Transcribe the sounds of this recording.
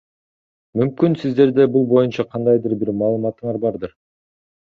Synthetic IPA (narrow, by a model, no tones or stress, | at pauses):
mymkynsizd̪e̞ɾd̪ebulˠbo̞junt͡ʃɑqʰɑnd̪ɑjd̪ɯɾbiɾmɑːlˠɯmɑt̪ɯɴɑɾbɑɾd̪ɯɾ